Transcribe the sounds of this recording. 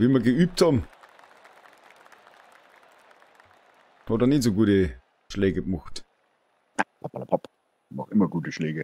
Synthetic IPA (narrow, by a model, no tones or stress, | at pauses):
viːmɐɡəyːp̚thɑbm̩ | hɑdɐnizoɡuːtə | ʃlɛːɡəɡmɔxt | apapala̰pʰap | mɔχɪmɐɡuːtəʃlɛːɡə